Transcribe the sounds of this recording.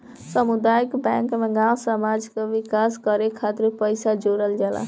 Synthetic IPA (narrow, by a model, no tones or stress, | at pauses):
səmud̪ajəkbaŋkmeɡãw̃səmad͡ʒkeʋikaskəɾekʰat̪iɾpəjsad͡ʒoɾəld͡ʒala̰